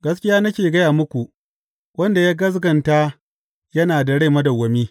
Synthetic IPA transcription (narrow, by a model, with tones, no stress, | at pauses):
ɡɐ˦skʲɪ˦jaː˦nɐ˦kʲeː˨ɡɐ˦jaː˨mʊ˦kʷu˨ | wɐ˦nda˨jaː˦ɡɐ˦s̬ɡɐ˨nta˦ | jɐ˦naː˨da˨ɽe˦˨mɐ˦dɐ˨wɐ˨miː˦